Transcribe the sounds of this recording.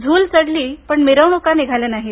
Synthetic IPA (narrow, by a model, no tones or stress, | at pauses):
d͡zʱuːlsəɽliːpəɳmeɾəwɳukaniɡʱalenaɦi